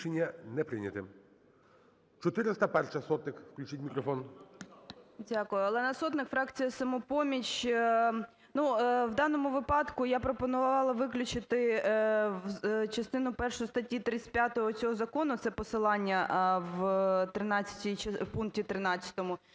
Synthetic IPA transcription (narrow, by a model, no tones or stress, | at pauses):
enʲːɐnɛpɾɪ̰nʲɐt̪ɪ | t͡ʃɔt̪ɪɾɪst̪ɐpɛrʂɐsɔt̪nɪkfklʲʉt͡ʃitʲmʲikɾɔfɔn | dʲakʊjʊɐlˠɛnɐsɔt̪nɪkfɾɑkt͡sʲijɐsɐmʊpɔmʲit͡ʃ | nuwd̪ɑnɔmʊʋɪpɑd̪kʊjapɾɔpɔnʊʋʋɑlˠɐʋɪklʲʊt͡ʃɪt̪ɪ | t͡ʃɐst̪ɪnʊpɛrʃʊjʊst̪ɐtʲit̪ɾɪt̪ʲsʲpʲjat̪ɔɦɔt̪t͡sʲɔɦɔzɐkɔnʊt̪sɛpɔsɪlˠɑnʲːɐʋt̪ɾɪnɑt͡sʲːɐ̥tʲiwpunk̚tʲit̪ɾɪnɑt͡sʲːɐ̥t̪ɔmʊ